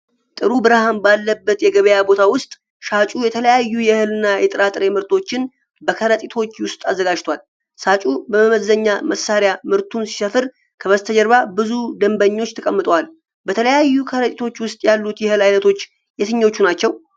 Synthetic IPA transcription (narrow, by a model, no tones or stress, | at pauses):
t̪ʼɨɾubɨɾahanbalːəbːət̪jɛɡəβəjabo̞t̪ʰawʊst̪ʼ | ʃat͡ʃʼujɛt̪ʰələjajːujɛhɨlɨnːajɛt̪ʼɨɾat̪ʼɨɾe̞mɨɾt̪ʰo̞t͡ʃːɪn | bəkʰəɾət̪ʼit̪ʰo̞t͡ʃːwʊst̪ʼazːəɡad͡ʒt̪ʰwal | sat͡ʃʼubəməməzːəɲːaməsaɾejamɨɾt̪ʰunsi̥səfɨɾ | kʰəβəst̪ʰəd͡ʒɛɾβabɨzud̪əmbəɲːo̞t͡ʃːt̪ʰəkʼəmːɨt̪ʼəwal | bət̪ʰələjajːukʰəɾət̪ʼit̪ʰo̞t͡ʃːwʊst̪ʼjalːut̪jɛhɨlajnət̪ʰo̞t͡ʃː | jɛt̪ʰɨɲːo̞t͡ʃːunat͡ʃːɛw